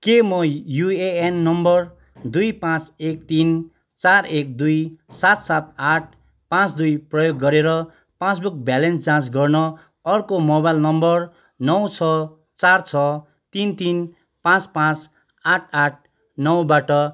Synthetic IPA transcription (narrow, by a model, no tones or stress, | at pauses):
kemʌjueenːʌmbʌr | d̪ujpãt͡sekt̪in | t͡sarek̚d̪ujsat̪sat̪̚aʈ̚ʰ | pãt͡sd̪ujprʌjoɡːʌɾeɾʌ | pãt͡sbuk̚bjalensd͡zãsɡʌrnʌ | ʌrkomobajlnʌmbʌr | nʌwt͡sʰʌ | t͡sart͡sʰʌ | t̪int̪in | pãt͡spãt͡s | aʈʰaʈ̚ʰ | nʌwbaʈʌ